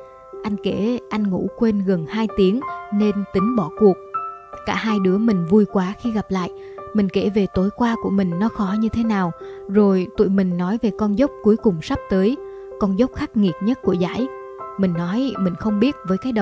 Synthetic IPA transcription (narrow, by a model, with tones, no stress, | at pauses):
ʔa˧jŋ̟ke˧˩ʔa˧jŋ̟ŋṵ˧˥kwe˧nɣə˨˩nhaː˧jt̪i˨˦əŋne˧nt̪ï˨˦ŋ̟ɓɔ˧˩ku˨˩ək̚kaː˧˩ɦaː˧jɗɨ˨˦əmï˨˩ŋ̟vu˧jkwaː˨˦xi˧ɣa˨˩p̚la̰ː˧˨jʔ | mï˨˩ŋ̟ke˧˩ve˨˩t̪o˨˦jkwaː˧ku˧˩əmï˨˩ŋ̟nɔ˨˦xɔ˨˦ɲɨ˧t̪ʰe˨˦naː˨˩wzo˨˩jt̪ṵ˧˨jmï˨˩ŋ̟nɔ˨˦jve˨˩kɔ˧nzə˦˥wk͡p̚ku˨˦jkʊ˨˩ŋ͡msa˦˥p̚t̪əː˨˦j | kɔ˧nzə˦˥k͡p̚xaː˦˥k̚ŋi˨˩ət̚ɲə˦˥t̚ku˧˩əza̰ː˧˥j | mï˨˩ŋ̟nɔ˨˦jmï˨˩ŋ̟xə˧wŋ͡mɓi˦˥ət̚vəː˨˦jkaː˨˦jɗə˨